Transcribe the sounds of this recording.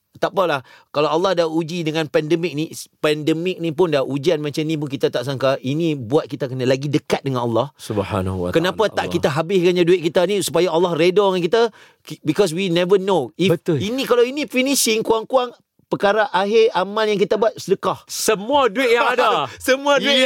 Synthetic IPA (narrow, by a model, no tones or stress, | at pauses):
t̪apalahkalawalːɑhdaud͡ʒidəŋãnpɛndəmɪk̚nipɛndəmɪk̚nĩpʊndaud͡ʒianmãt͡ʃanĩp̬ʊnkit̪at̪aʔs̬aŋkainĩbuat̪̚kit̪akənalaɡidəkat̪̚dəŋãnɑlːɑhsubha̰na̰kənãpat̪aʔkit̪aɦabɪskanɲaduɪt̪̚kit̪anĩsu̥pajaalːɑhredɔŋanŋkit̪a | bikɔs̬winɛvənoiət̪inĩkalawinĩfiniʃɪŋkuaŋkuaŋ | pəkaɾaʔaɦɪamãljaŋkit̪abuat̪̚sədəkahsəmuaduɪt̚jaŋadasəmũauɪ